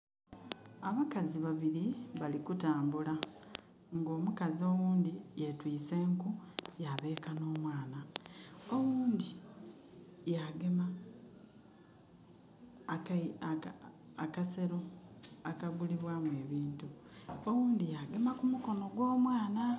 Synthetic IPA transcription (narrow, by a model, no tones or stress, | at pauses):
aβakaziβaβiɾiβalikutaːmbula | ŋɡo̞ːmukazio̞wuːndijetwiːse̞ːŋkujaβe̞ːkano̞ːmwaːna | o̞wuːndi | jaɡema | kase̞ɾo̞akaɡuliβwamwe̞ːβiːntu | owuːndijaɡe̞makumuko̞no̞ɡwo̞ːmwaːna